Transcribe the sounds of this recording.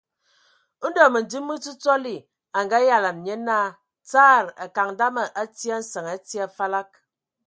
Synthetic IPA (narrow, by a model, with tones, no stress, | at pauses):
n̩˦dɔ˨mə˨n̩˨di˦mːɨ˦t͡su˦t͡sɔ˦li˦˨ | a˨ŋɡa˦ja˨la˨n˨ɲe˦na˦˨ | t͡saː˦˨ɾa˨ka˨ŋ˦da˦mə˨ʔa˦tja˦n̩˦sə˨ŋa˦tja˦fa˦la˦k̚